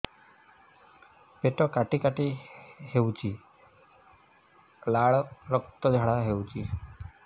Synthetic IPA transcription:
peʈɔkaʈikaʈihewt͡ʃi | laɭɾɔkt̪ɔd͡ʒʱaɽaɦewt͡ɕi

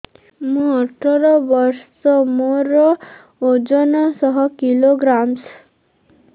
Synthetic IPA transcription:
mũɔʈʰɔɾɔbɔɾsɔmoɾɔ | od͡ʒɔnɔsɔɦɔkiloɡɾams

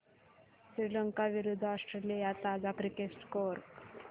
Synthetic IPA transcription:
sɾilɐŋkaʋiɾud̪ʱːasʈɾeljajat̪aːd͡ʒakɾikesʈkoɾk

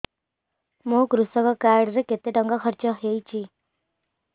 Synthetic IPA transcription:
mũkɾusɔkɔkaɾɖɾeket̪eʈɔŋɡakʰɔɾt͡ʃɔɦejt͡ʃʰi

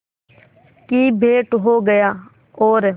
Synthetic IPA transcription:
kiːbʱeːʈɦoːɡəjaː | oːɾ

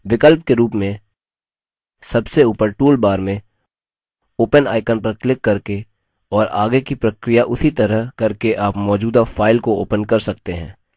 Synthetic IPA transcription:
ʋɪkəlp̚keɾuːpmẽ | sɐbseuːpəɾʈuːlbaːɾmẽ | oːpəna̰ːɪkənpɾəɾklɪkːɐɾke | ɔːɾa̰ːɡekipɾɐkɾijaʔʊsit̪ɐɾəɦkɐɾkeʔaːpmɔːd͡ʒuːd̪afʰaːɪlkooːpənkɐɾsɐkt̪eɦɛ̰̃ː

